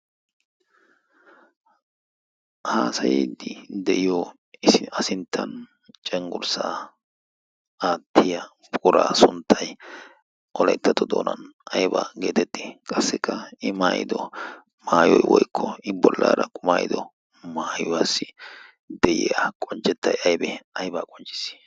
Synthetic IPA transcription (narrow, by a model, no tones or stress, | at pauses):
haːsɐjid̪ɪd̪ɛʔɪjo | ɪsɪɐsɪnt̪ʰːɐn | t͡ʃʼɛŋɡʊɾsaː | aːt̪ʰːɪjɐ | pʼʊɾa̰ːsʊnt̪ʰːɐj | ʔɔlɐjt̪ːɐt̪ɔd̪oːnɐnʔɐjba̰ːɡe̞ːt̪ɛt̪ːe̥kʼɐsːɪkːɐɪmaːjɪ̰d̪ɔ | maːjɔjwɔjkʰːɔɪbɔlːaːɾɐkʼʊmaːjɪd̪ɔ | maːjʊwaːsːɪ | d̪ɛjɪ̰jakʼɔnt͡ʃʼːɛt̪ːɐjɐjbɛɐjbaːkʼɔnt͡ʃʼːɪ̥sːi̥